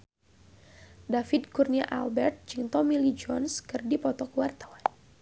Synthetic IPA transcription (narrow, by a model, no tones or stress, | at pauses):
dafɪd̪̚kurniaʔa̰lbɛrt̪̚d͡ʒiŋt̪ɔmilid͡ʒɔnskɨrdipɔt̪ɔkuwart̪awan